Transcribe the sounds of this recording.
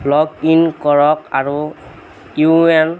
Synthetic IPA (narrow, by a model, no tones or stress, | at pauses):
lɔkinkɔɹɔkaɹu | iuuɛn